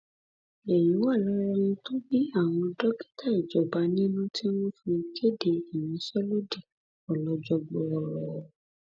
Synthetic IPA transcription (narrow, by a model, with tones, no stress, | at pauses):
e˨jĩ˨˦wa˦˨lɔ˨˦ɾɔ˧nũ˧to˦bi˦a˦˨w̃ɔ̃˧dɔ˦ki̥˦ta˦˨i˨d͡ʒɔ˨ba˨˦nĩ˦nũ˦ti˦wɔ̃˦fĩ˧ke˦de˧i˨jĩ˨˦ʃɛ˦lo˦di˦˨ | ɔ˨lɔ˨˦d͡ʒɔ˧ɡ͡bɔ˧ɔ˨ɾɔ˨